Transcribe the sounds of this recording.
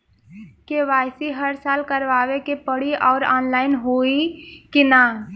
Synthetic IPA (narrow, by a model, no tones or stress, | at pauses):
keʋaːjsiɦəɾsaːlkəɾʋaːʋekepəɽiɔːɾaːnlaːɪnɦoikina